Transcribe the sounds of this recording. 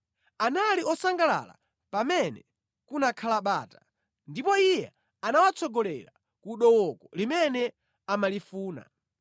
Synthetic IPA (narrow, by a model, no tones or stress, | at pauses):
analiɔsaŋɡala̰la̰ | pamɛnɛ̰ | kunakʰalaɓaːta | ndipɔijɛ | anawat͡sʰɔɡɔlɛ̰ɾa | kuɗɔwɔkɔlimɛnɛ | amalifuːna̰